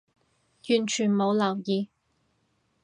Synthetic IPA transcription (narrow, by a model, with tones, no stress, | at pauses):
jyː˨˩nt͡ʃʰyː˨˩nmo˨˧wlɐ˨˩wjiː˨˧